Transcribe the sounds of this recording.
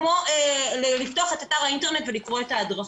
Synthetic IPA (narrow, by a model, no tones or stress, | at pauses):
moelelift̪o̞aχe̞t̪ataʁainteʁne̞tvelikʁo̞etaːdʁa